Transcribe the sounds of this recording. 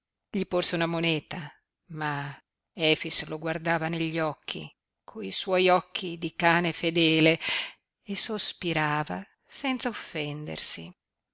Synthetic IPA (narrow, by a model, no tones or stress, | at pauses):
ʎiporseunamonɛːt̪a | ma | ɛfisloɡward̪aːvaneʎːɔkʰːḭ | kʰoiswɔjɔkʰːid̪ikaːnefed̪ɛːle | esospiɾaːva | sɛnt̪saofːɛnd̪ḛrsi